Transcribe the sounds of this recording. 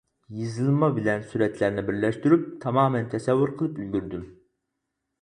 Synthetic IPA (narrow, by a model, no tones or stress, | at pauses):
jɨzɨlˠmɑbɪlɛnsyɾɛt̪læɾnɪbɪɾlɛʃt̪yɾyp̚t̪ʰɑmɑːmɛnt̪ʰɛsɛvːuɾqʰəlˠɨpylɡʲyɾd̪ym